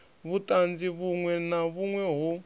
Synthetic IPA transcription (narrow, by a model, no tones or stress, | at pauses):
βutʼand͡ziβuŋwɛnaβuŋwɛɦu